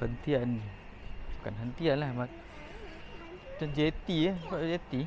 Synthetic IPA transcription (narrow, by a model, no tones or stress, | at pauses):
hənt̪ian | kanɦənt̪ianlahma | əd͡ʒet̪ikad͡ʒet̪i